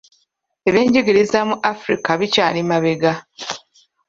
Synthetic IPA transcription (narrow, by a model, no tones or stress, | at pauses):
eβeːɲɟeɡiɾizamuʔafɾḭkaβicaːlimaβe̞ɡa